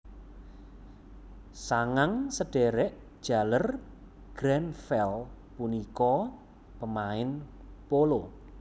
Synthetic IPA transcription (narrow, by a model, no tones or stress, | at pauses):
saŋaŋsəɖ̥eɾɛʔ | d̥ʒ̥a̤lər | ɡ̥ɾɛnfɛl | punikɔ | pəmaɪn | polo